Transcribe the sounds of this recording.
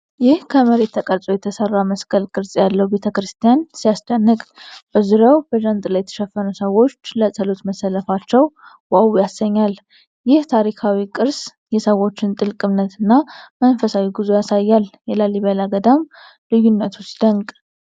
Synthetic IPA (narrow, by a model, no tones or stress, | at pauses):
jɪhkʰəməɾe̞t̪ʰːəkʼəɾt͡s̪ʼojɛt̪ʰəsərːaməskʰʼəlkʼɨɾsʼjalːəhube̞t̪ʰəkɾɨst̪ʰijansijast̪ʼənːɨkʼb̥əzuɾəwb̥əʒant̪ʼɨlajːɛt̪ʰə̥ʃɛfːənusəwo̞t͡ʃːləsʼəlot̪məsːələfat͡ʃːɛw | wawujasəɲːal | jɪht̪ʰaɾikʰawikʼɨɾs | jɛsəwo̞t͡ʃːɪnt̪ʼɨlkʼɨmnət̪ʰɨnːamənfəsawiɡɨzojasajːaljɛlaliβalaɡəd̪am | lɨjːunːət̪ʰust̪d̪̥əŋkʼ